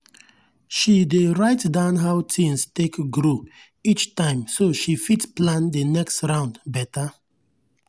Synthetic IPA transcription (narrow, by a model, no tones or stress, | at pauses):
ʃideɹaɪtdãʊ̃nɦaʊtʰĩŋstekɡɹo | it͡ʃtãɪ̃msoʃifitsplãndənɛkstɹãʊ̃ndbɛta